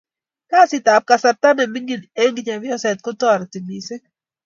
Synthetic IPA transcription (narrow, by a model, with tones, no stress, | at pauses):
ka˦˨sɪ˨ta˨p̚ka˨sa˨ɾt̪a˦ne˨mi˦ŋɡi˨ne˦ŋɡɲa˨vɪ˦ɔ˦sɛ˨t̪̚kʊ˦tɔ˦˨ɾt̪i˨mi˨se˦